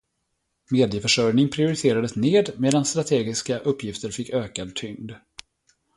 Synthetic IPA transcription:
meːd̪ɪjəfœʂœɾnɪŋpʰɾɪʊɾɪt̪ʰeːɾad̪əsneːd̪meːd̪anst̪ɾat̪ʰeːɡɪskaʔɵpːjɪft̪əɾfɪkːøːkad̪̚t̪ʰʏŋd̪

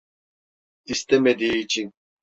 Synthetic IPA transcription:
ist̪ɛmed̪iːt͡ʃʰin

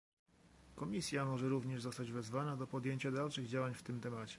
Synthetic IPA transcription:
kɔmʲisʲjamɔʐɛɾuvɲɛʐzɔst̪ad͡ʑvɛzvanad̪ɔpɔd̪jeɲt͡ɕad̪alʂɘɣd͡ʑawaɲft̪ɘmt̪ɛmat͡ɕɛ̥

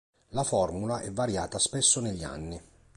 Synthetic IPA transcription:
lafɔrmulaʔɛvːaɾja̰ːt̪aspesːoneʎːia̰nːi

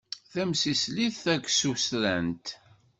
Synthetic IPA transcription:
θæmsisliθθækʷːsusɾænt̪

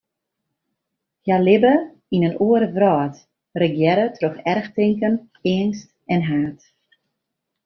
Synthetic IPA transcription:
hjalɪbə | inənuəɾəvrɔːt | rəɡjɛɾətʰroxɛrxtɪŋkən | ɪənst | ɛnɦaːt

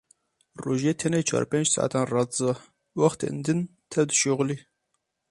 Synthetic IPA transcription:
roːʒeːt̪ʰɛnet͡ʃʰɑ̰ːɾpeːnd͡ʒsɑ̰ʔa̰t̪ɑːnrɑt͡sɑ | wɑxt̪ɨ̰nd̪ɨn | t̪ʰɛwd̪ɨʃoɣli

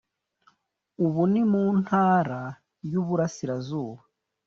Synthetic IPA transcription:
uβunimuːn̥haːɾa | juβuɾasiɾazuːβa

